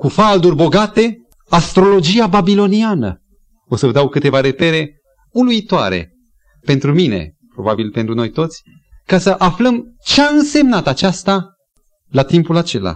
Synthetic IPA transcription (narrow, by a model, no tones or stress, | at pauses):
kufald̪urʲbo̞ɡat̪e̞ | ast̪ɾo̞lo̞d͡ʒiababilo̞nianə̰ | o̞səvəd̪awkɨt̪e̞vaɾe̞pe̞ɾe̞ | uluit̪oa̰ɾe̞̰ | pe̞nt̪ɾumine̞̰ | pɾo̞babilpe̞nt̪ɾuno̞jt̪o̞t̪sʲ | kasəʔafləmt͡ʃeaɨnse̞mnat̪at͡ʃast̪a | lat̪impulat͡ʃe̞la̰